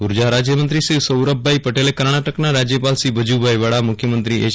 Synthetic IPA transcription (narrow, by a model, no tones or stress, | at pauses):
uɾd͡ʑaɾad͡ʑjəmənt̪ɾisiʋsəwɾəbːaipəʈelekəɾɳ̃aʈəknaɾad͡ʑjəpalsibʱəd͡ʑubʱajʋaɽamukʰjəmənt̪ɾiːʔe